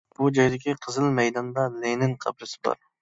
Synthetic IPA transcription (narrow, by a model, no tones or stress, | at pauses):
b̥ud͡ʒɑjd̪ɪkʲiqʰəzɨlˠmɛjd̪ɑnd̪ɑlenɪnqʰɑ̰bɾɨsɪ̥bɑ̰ɾ